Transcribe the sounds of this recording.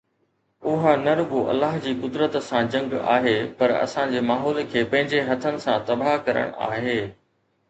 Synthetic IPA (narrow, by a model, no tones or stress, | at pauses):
ʊɦanɐɾʊɡoʔɐ̰lːaːɦd͡ʑiːkʊd̪ɾət̪sãd͡ʑɐ̃ŋɡa̰ːɦeːpɐɾɐ̰sãd͡ʑeːmaːɦɔːlkʰeːpɐ̃ɦɪ̃ɲd͡ʑeɦɐt̪ʰənɪ̆sãt̪ɐbaːɦkɐɾə̰ɽ̃a̰ːɦeː